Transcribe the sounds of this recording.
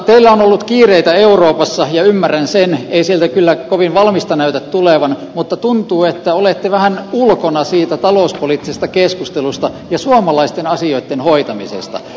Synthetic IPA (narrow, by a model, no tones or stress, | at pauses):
t̪eilːæonolːut̪kiːreit̪æeuroːpɑsːɑjɑymːærænseneisielt̪ækylːækoʋinʋɑlmist̪ɑnæyt̪æt̪tuleʋɑnmut̪ːɑt̪unt̪uːet̪ːæolet̪ːeʋæhænulkonɑsiːt̪æt̪ɑloˑuspoliːt̪ːisest̪ɑkeskust̪elust̪ɑ | jɑsuɑmɑlɑist̪enɑsioit̪ːenhoit̪ɑmḭsḛst̪ɑ̰